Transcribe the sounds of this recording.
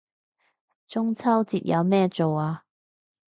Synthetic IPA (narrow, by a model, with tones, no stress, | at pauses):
t͡sʊ˥ŋt͡sʰɐ˥wt͡siː˨t̚jʔɐ˨˧wmɛː˥t͡so˨waː˧